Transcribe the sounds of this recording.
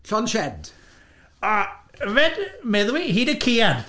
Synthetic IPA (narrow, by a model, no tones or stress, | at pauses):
ɬɔnʃɛd̥ | aəvɛdmɛðwiɦidəkʰiad̥